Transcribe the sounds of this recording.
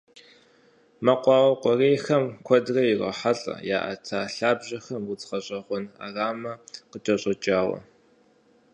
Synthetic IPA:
mɐqʷɑːwɐqʷɔreːxɐmkʷʰɔdrɐjɪrɐ̰ħaɬʼɐ̰ja̰ːʔɐ̰tʰaːɬaːbʑɐxɐmwʊt͡sʼχɐɕʼɐʁʷɔna̰ːraːmɐqət͡ʃʼɐɕʼɐt͡ʃʼaːwɐ̰

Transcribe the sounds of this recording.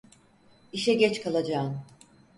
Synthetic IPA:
iʃɛɟɛt͡ʃkʰalˠad͡ʒaːn

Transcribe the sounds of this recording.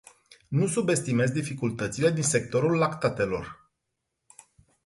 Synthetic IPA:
nusube̞st̪ime̞zd̪ifikult̪ət̪sile̞d̪inse̞k̚t̪o̞ɾulːakt̪at̪e̞lo̞̰r

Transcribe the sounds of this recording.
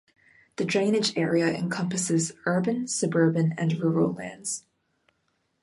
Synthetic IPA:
ðɨdɹẽɪ̃nɨd͡ʒɛɹiɨʔɨ̰̃nkʰʌ̃mpɨsɨzɜ˞bɨ̃nsɨbɜ˞bɨ̃nɨ̃nɹʊɹl̩ˠlæ̰̃ndz̥

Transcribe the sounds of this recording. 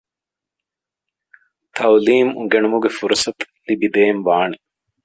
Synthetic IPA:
t̪ʰɐwliːmuɡeɳumuɡefuɾsɐt̪ | libid̪eːnʋaːne

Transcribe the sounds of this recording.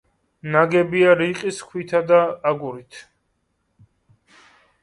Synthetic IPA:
naɡɛbiaɾiqʼiskʰwit̪ʰad̪aːɡuɾit̪ʰ

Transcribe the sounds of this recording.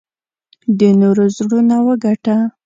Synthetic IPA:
d̪ənoɾozɽunawəɡaʈa

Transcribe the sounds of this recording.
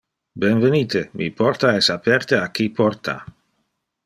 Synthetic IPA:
benveniːt̪emʔḭpɔɾt̪aɛsapɛɾt̪eak̟ipʰɔrt̪a̰

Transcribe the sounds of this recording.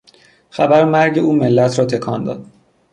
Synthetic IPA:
xæbæɾmæɾɟe̞uːme̞lːæt̪ʰɾɒːt̪ʰe̞kʰɒːnd̪ɒ̰ːd̪̥̚

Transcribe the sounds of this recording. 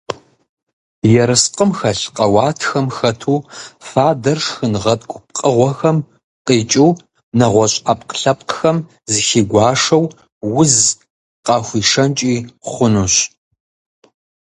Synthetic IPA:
jɛɾɨsqʼəmxɐɬqɐwaːtʰxɐmxɐtʰuːfaːdɐrʂxɨnʁɐtʼɡʷʼʊp̚qʼəʁʷɔxɐm | qʼiːt͡ʃʼiː | nɐʁʷɔɕʼapʼqɬɐpʼqxɐm | zɨxiːɡʷɑːʂɐw | wʊz | qɑːxʷiːʂɐnt͡ʃʼiːχʷʊnuɕ

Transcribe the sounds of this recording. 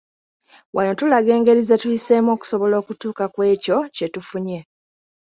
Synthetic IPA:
wʔano̞tulaɡe̞ːŋɡe̞ɾizetujise̞mo̞ːku̥soβo̞lo̞ːkutuːkakwe̞ːco̞ce̞tufuɲe̞

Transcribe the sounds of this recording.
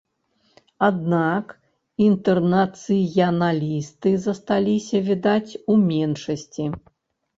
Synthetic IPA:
ad̪nak | int̪ɛrnɐt̪sɨjɐnalʲist̪ɨzɐst̪alʲisʲɐvʲid̪at͡sʲumʲɛnʂɐsʲt͡sʲi

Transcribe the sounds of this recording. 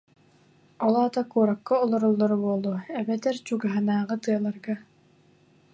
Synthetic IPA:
ɔlˠaːt̪akuːɾakːɔɔlˠɔɾɔlˠːɔɾubuɔlˠuɛbɛt̪ɛɾt͡ɕuɡaɦanaːʁɯt̪ɯɐlˠaɾɡa

